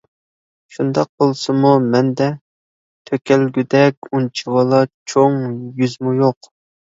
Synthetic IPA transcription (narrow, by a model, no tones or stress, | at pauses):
ʃund̪ɑq̚bolˠsɨmumɛnd̪ɛ | t̪ʰøkʲɛlɡʲyd̪ɛkʲunt͡ʃʰiwɑlˠɑt͡ʃʰoŋjyzmujoq